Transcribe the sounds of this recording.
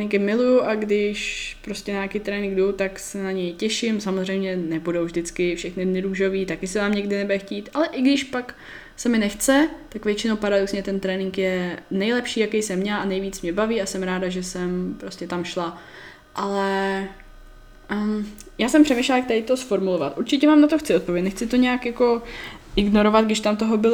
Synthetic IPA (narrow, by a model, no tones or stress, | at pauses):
nɪŋkɪmɪlujuʔaɡdɪʃpɾoscɛɲajakit̪ɾɛːnɪŋɡduwt̪aksɛnaɲɛjcɛʃɪmsamozr̝ɛjmɲɛnɛbudowvʒdɪt͡skɪfʃɛxnɪdnɪɾuːʒoviːt̪akɪsɪvaːmɲɛɡdɪnɛbɛxciːt̪ʔalɛʔɪɡdɪʃpak | sɛmɪnɛxt͡sɛt̪akvjɛt͡ʃɪnowpaɾadoksɲɛt̪ɛnt̪ɾɛːnɪŋkjɛnɛjlɛpʃiːjakejsɛmːɲɛlʔanɛjviːt͡smɲɛbaviːasɛmɾaːdaʒɛsɛmpɾo̞scɛt̪amʃla | ʔalɛ | jaːsɛmpr̥ɛmejʃlak̚t̪ɛɪt̪osfoɾmulovat̪ʔuɾt͡ʃɪcɛmaːmnat̪oxt͡sɪot̪povʲjɛcnɛxt͡sɪt̪o̞ɲɛakjako̞ʔɪɡno̞ɾo̞vad̪̚ɡdɪʃt̪amt̪oɦobɪl